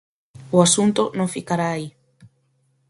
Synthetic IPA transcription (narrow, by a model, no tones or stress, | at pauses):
uasunt̪onõŋfikaɾaːi